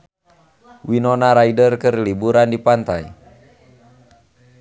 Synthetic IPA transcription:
winɔnaɾaidərkərlibuɾandipant̪aj

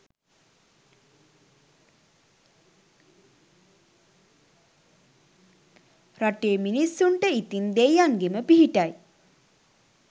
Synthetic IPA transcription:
raʈeːminisːuɳʈəit̪ind̪ejaŋɡeməpiɦiʈaj

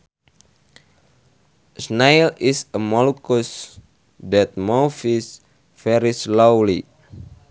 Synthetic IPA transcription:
snajlisəmɔlukus | dɛt̪̚mofis | fɛɾislowli

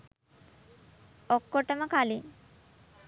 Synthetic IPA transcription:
okːoʈəməkali

